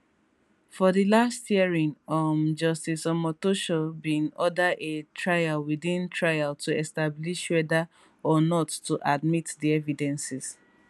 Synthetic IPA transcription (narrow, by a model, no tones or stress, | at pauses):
fɔðilastjiɹĩŋɔmd͡ʒɔstisɔmɔtoʃobĩnɔdaetʰɹajalwidĩntʰɹajaltʰuɛstabliʃwɛda | ɔnɔtːuʔadmitdiɛvidɛ̃nsis